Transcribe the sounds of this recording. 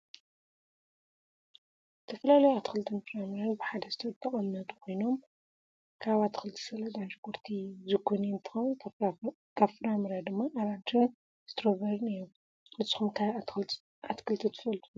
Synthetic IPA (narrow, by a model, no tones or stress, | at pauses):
zzɨt̪ʰɐfɐlalɐjoat̪ʰixɨlɨt̪ʰɨnfɨɾamɨɾanbɨħad̪ɐzɨt̪ʰɐd̪ʼɐχʼɐnːɐt̪ʼu̥kʰo̞jno̞m | kʰaβat̪ʰi̥xɨlɨt̪ʰi̥sɐlɐd̪aʃkoɾt̪ʰizɨɡʰonint̪ʰɨ̥xɐ | kʰaβfɨɾamɨɾad̪ɨmːaʔaɾant̪ʰun | z̥ɨt̪ʰɐɾoβɐɾnɨjom | ɨzɨxumkʰa | at̪kʰɨlt̪ʰɨt̪ʰɨ̥fɐlt̪ʰu